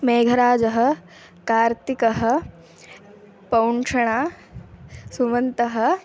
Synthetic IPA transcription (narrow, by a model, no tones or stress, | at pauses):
meːɡʱɐɾaːd͡ʒɐɦɐ̆ | kaːɾt̪ikɐɦɐ̆ | pɐwɳʂɐɳaː | suʋɐnt̪ɐɦɐ̆